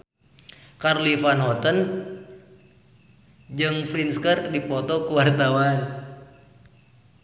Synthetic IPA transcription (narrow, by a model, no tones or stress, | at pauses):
karlifanɦɔt̪ən | d͡ʒɨŋfɾinskərdipɔt̪ɔkuwart̪awan